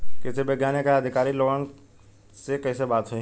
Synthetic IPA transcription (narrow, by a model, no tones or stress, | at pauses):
kɪsebɐɡjaːnekaɐd̪ʱɪkaːɾiloːɡən | sekɐːsebaːt̪ɦoi